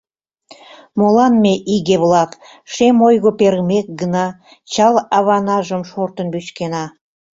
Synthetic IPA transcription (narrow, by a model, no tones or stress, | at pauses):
molɑnmeʔiɣeβlɑk̪ | ʃemojɣopeɾɣmek̚ɡənɑ | t͡ɕɑlɑβɑnɑʒəmʃort̪ənbyt͡ɕkenɑ